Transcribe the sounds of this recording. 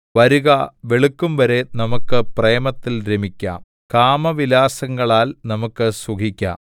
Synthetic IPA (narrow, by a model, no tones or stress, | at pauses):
ʋɐɾuɣɐʋe̞ɭukːumʋɐɾe̞nɐmukːɨpreːmɐt̪ːilɾemikʲːa̰ːm | kaːmɐʋilaːsɐŋːɐɭaːlnɐmukːɨsukikʲːɐ̰